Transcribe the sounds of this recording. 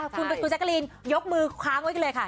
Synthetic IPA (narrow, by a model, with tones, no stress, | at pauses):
kʰu˧n˧ku˧nt͡ɕa˦˥ka˧liː˧njo˦˥k̚mɯː˧kʰaː˦˥ŋwka˧lɤː˧jkʰa˥˩